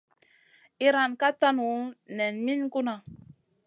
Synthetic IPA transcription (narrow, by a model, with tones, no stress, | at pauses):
i˦ɾa˨nka˦ta˦nu˨nɛ˨nmi˦nku˦na˨